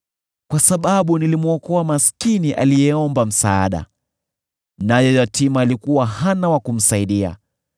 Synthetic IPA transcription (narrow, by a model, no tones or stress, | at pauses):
kwasaɓaɓunilimuɔkɔamaskiniʔa̰lijɛɔmbam̩saːɗa̰ | najɔjatimaːlikuwahanawakum̩saiɗia̰